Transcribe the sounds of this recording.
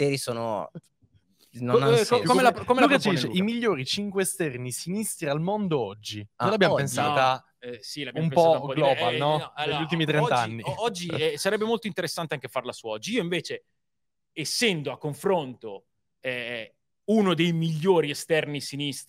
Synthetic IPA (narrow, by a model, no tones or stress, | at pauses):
t̪eːɾisoːno̰ | nonkokomelakomelauːkat͡ʃid̪iːt͡ʃeimiʎːoːɾit͡ʃiŋkweːst̪ɛrnisinist̪ɾialmond̪oɔd͡ʒːinolabːjampensaːt̪ːa | silabjumppːɔaaupɔɡlɔːbalnɔeult̪imit̪ɾent̪d͡ʒanːiɔd͡ʒːiɛsaɾɛbːemolt̪oint̪eɾesːant̪eaŋkefarlasuɔd͡ʒːiiːoiɱveːt͡ʃe | esːɛnd̪oakːoɱfɾont̪o | ɛ | unod̪ejmiʎːoːɾiest̪ɛrnisinist̪